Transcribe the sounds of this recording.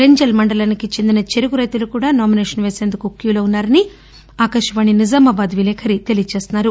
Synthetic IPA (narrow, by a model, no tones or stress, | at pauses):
ɾeɲd͡ʒɐlmɐɳɖɐlɐnikit͡ʃe̞nd̪inɐt͡ʃe̞ɾuɡuɾɐjt̪ulukuːɽaːnaːmineːʂɐnʋeːse̞ːnd̪ukukjuːlounːaːɾɐni | aːkɐʂɐʋaːɳinizɐmɐbɐd̪ʋilɛːkʰɐɾit̪e̞lijɐt͡ʃe̞ːst̪unːaːɾu